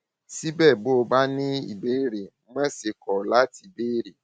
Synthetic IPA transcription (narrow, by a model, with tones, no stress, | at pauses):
si˦bɛ˦˨bo˦˨ba˦nɪ˦ḭ˨be˦ɾi˨˦mɛ˦sɪ˨kʰɔ˨la˦ti˨be˦ɾi˨